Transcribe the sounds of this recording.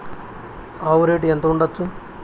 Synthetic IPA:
aːʋɾeːʈɛnt̪ɐuɳɖɐt͡ʃːu

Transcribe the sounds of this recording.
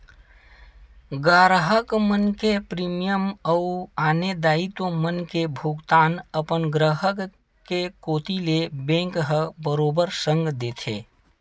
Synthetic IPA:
ɡaːɾɦəkmənkepɾimijəməuaːned̪aːit̪omənkebʱuɡt̪aːnəpənɡɾəɦək | kekoːt̪ilebẽŋkɦəbəɾobəɾsə̃ŋɡd̪et̪ʰḛː

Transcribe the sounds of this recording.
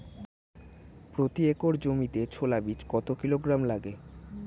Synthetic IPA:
pɾot̪iekoɾd͡ʑomit̪et͡ɕʰolabit͡ɕkɔt̪okiloɡɾamlaɡe

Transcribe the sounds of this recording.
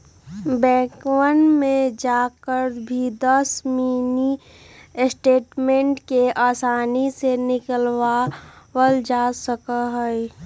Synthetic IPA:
bɛ̃ːkwənmẽd͡ʒaːkəɾbʱid̪əsmiːni | sʈeːʈmẽɳʈkeʔaːsaːnisenɪkəlwawəld͡ʒaːsəkəɦəi

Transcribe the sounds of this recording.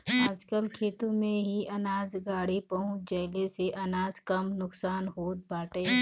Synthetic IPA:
aːd͡ʒkəlkʰeːt̪ũmẽɦiʔɐnaːzɡaːɽipɐɦʊ̃t͡ʃd͡ʒɐɪleseʔɐnaːzkɐmnʊksaːnɦoːt̪̚baːʈeː

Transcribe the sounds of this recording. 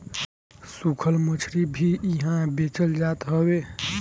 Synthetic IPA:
sukʰəlmət͡ʃʰɾibʱiɦãbet͡ʃəld͡ʒat̪ɦəwe

